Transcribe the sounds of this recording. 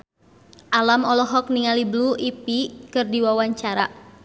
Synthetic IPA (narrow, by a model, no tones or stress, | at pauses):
ʔalamɔlɔɦɔk̚niŋalibluipikɨrdiwawaɲt͡ʃaɾa